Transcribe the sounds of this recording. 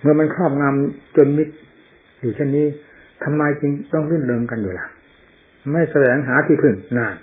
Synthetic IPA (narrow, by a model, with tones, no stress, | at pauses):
mɯ˧˩ɐma˧nkʰɾɔː˥˩p̚ŋa˧mt͡ɕo˧nmi˦˥t̪̚ | juː˨˩t͡ɕʰe˥˩nːiː˦˥ | t̪ʰa˧mːaː˧jt͡ɕi˧ŋt̪ɔ˥˩ŋlɯ˥˩˨nlɤː˧ŋka˧njuː˨˩la˧˩ | ma˥˩jsa˧wɛː˨˩˦ŋɦaː˨˩˦t̪ʰiː˧˩pʰɯ˨˩ŋnaː˧˩n